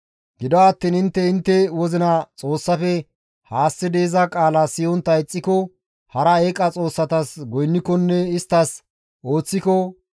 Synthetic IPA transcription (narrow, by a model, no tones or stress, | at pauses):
ɡɪd̪ɔaːt̪ːiːnɪnt̪ːɛɪnt̪ːɛwɔzɪnɐt͡sʼo̞ːsːɐfɛ | haːsːɪd̪eːzɐkʼaːlasɪjɔnt̪ːɐɪt͡sʼːɪkɔ | hɐɾɐeːkʼɐt͡sʼo̞ːsːɐt̪ɐsɡɔjnːɪkɔnːɛɪst̪ːɐs | o̞ːt͡sːɪkɔ